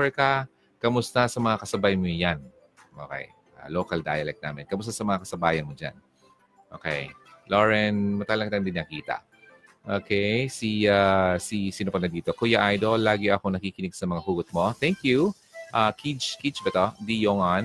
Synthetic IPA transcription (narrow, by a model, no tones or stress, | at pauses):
ɹɛkɐ | kɐmʊst̪ɐsɐmɐŋakɐsɐbajmojan | ʔo̰kɛ̰j | ʔa̰loːkɐld̪a̰ːjɐlɛk̪̚na̰ːmɛnkɐmʊst̪asɐmɐŋakɐsɐbaːjɐnmod͡ʒa̰n | ʔo̰ːkɛ̰jloɹɛnmɐt̪aːlɐŋkɐt̪and̪inːɐkiːt̪ɐ̰ | ʔoːkʰɛjsiasisɪnʊpɐnɐd̪iːt̪okojaʔajd̪olːaːɡɪʔɐkonɐkiːkɪnɪɡsɐmɐŋɐhuːɡʊt̪̚mo̞t̪ɛŋkju | ʔakʰit͡ʃkit͡ʃbɛt̪od̪ijoŋɐn